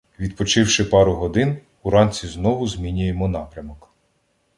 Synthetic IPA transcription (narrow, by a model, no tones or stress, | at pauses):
ʋʲid̪pɔt͡ʃɪwʃɪpɑɾʊɦɔd̪ɪn | uɾɑnt͡sʲiznɔʋʊzmʲinʲʊjemɔnɑpɾʲɐmɔk